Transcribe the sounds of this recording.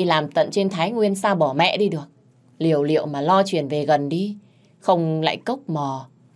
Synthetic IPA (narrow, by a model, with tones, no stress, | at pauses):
laː˨˩mt̪ə̰˧˨nt͡ɕe˧nt̪ʰaː˨˦jŋwi˧ənsaː˧wɓɔ˧˩mɛ̰˧˨ɗi˧ɗɨ˨˩ək̚ | li˨˩əwlḭ˧˨əwmaː˨˩lɔ˧t͡ɕwi˨˩ənve˨˩ɣə˨˩nɗi˧ | xə˧wŋ͡mla̰ː˧˨jkə˦˥wk͡p̚mɔ˨˩